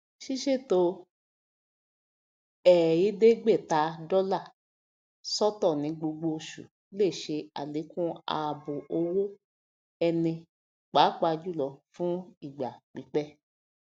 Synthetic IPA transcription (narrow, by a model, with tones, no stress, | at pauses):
ʃi˦ʃe˦˨to˧˦ | ɛ˨ji˦de˦ɡ͡be˦˨ta˨˦dɔ˦la˦˨ | sɔ˦tɔ˦˨nĩ˨˧˦ɡ͡bo˧ɡ͡bo˧ʃṵ˨ | le˦˨ʃe˧a̰˨le˨˦kũ˦a̰˧bo˨ʔo˧wo˦ | ɛ˧nĩ˧ | k͡pa˨˦k͡pa˧d͡ʒu˦˨lɔ˨˦fũ˦i˦˨ɡ͡ba˨k͡pi˨˦k͡pɛ˦